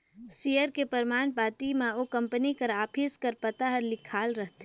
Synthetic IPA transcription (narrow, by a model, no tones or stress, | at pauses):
sijəɾkepəɾmaːnpaːt̪imẽokɐ̃mpənikəɾaːpʰiːskəɾpət̪aɦəɾlɪkʰaːlɾəɦt̪ː